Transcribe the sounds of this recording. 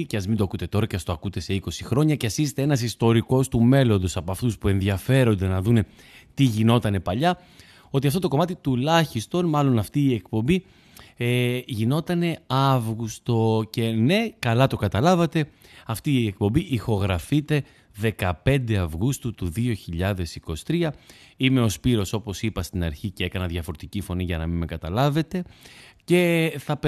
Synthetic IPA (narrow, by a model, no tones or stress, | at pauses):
ceɐzmind̪oɐkut̪e̞t̪o̞ɾɐceɐst̪oɐkut̪e̞se̞iko̞sixɾo̞ɲɐceɐsisit̪eenɐsist̪o̞ɾiko̞st̪ume̞lo̞nd̪o̞sɐpoɐft̪uspue̞nðjɐfe̞ɾo̞nd̪e̞nɐðune | t̪iʝino̞t̪ɐne̞pɐʎɐ | o̞t̪iɐft̪o̞t̪o̞ko̞mɐt̪it̪ulɐçist̪o̞nmɐlo̞nɐft̪iːe̞kpo̞mbi | ʝino̞t̪ɐne̞ɐvɣust̪o̞ce̞ne̞kɐlɐt̪o̞kɐt̪ɐlɐvɐt̪e̞ | ɐft̪iːe̞k̚po̞mbiʔixo̞ɣɾɐfit̪e̞ | ðe̞kɐpe̞nd̪e̞ɐvɣust̪ut̪uðio̞çiʎɐðe̞siko̞si̥t̪ɾiɐ | ime̞o̞spiɾo̞so̞po̞sipɐst̪inɐ̰ɾçicee̞kɐnɐðʝɐfo̞ɾot̪icifo̞niʝɐnɐmimekɐt̪ɐlɐve̞t̪e̞ce̞θɐp